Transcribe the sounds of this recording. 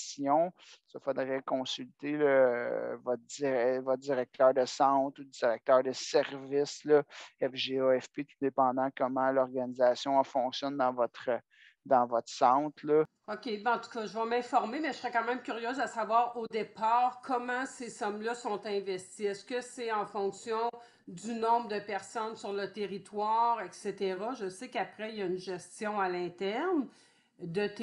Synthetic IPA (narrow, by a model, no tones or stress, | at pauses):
sjɔ̃səfod̪ʁɛkɔ̃sylt̪elɔvɔt̪̚d̪iʁɛvɔt̪̚d̪iʁɛk̚t̪ʰœːʁd̪əsɑ̃t̪ud̪iʁɛk̚t̪œːʁd̪əsɛʁvɪslɔɛfʒeɔɛfpet̪ud̪epɑ̃d̪ɑ̃kɔmɑ̃lɔʁɡanizasjɔ̃fɔ̃ksjɔnd̪ɑ̃vɔt̪χə | d̪ɑ̃vɔt̪χsɑ̃ːt̪lɔ | okʲebɛɑ̃t̪u̥kɑʒəvʌmɛ̃fɔʁmemɛʒəsʁɛkɑ̃ːmɛ̃mkʲyʁjøːzəsavwaːʁod̪epaːʁkʰɔmɑ̃sesɔmlʌsɔ̃t̪ɛ̃vɛst̪iɛskʲəsɛɑ̃fɔ̃ksjɔ̃ | d̪ynɔ̃bʁəd̪əpɛʁsɔnsyʁlət̪eʁit̪waːʁɛkset̪eʁaʒəsekapʁɛijaynʒɛst͡s̪jɔ̃alɛ̃t̪ɛʁn | d̪ət̪